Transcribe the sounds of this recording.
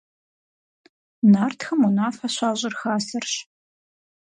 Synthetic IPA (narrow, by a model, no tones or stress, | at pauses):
naːrtʰxɐmunaːfɐɕʷaːʑʼɪrxaːsɐrɕ